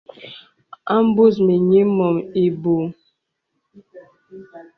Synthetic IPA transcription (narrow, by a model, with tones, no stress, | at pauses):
a˦m̩˦bu˦˨s̬mi˨ɲi˦mɔ˨mi˨bu˨